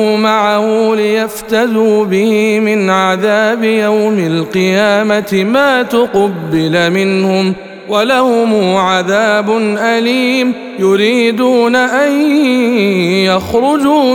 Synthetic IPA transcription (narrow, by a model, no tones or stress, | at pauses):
ʊmaʕahʊlɪjaft̪aðuːbɪhɪmɪnʕaðaːbɪjawmɪlqɨjaːmat̪ɪmaːt̪ʊqɑbːɪlmɪnhʊm | walahʊmuːʕaðaːbʊnʔaliːm | jʊɾiːd̪uːnaʔaj | jaxɾˤʊd͡ʒuː